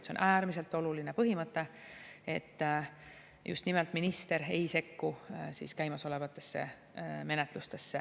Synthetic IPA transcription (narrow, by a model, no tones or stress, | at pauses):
t̪seo̞nʔæːɾmis̬e̞lt̪ːˑo̞luline̞pɤɦimɤt̪ːe̞e̞t̪ː | jʔṵst̪nimɛlt̪ˑminist̪e̞ɾejse̞kːusḭːskæjmɑso̞le̞vɑt̪ːˑe̞̥sːe̞̰ | me̞net̪lust̪e̞sːe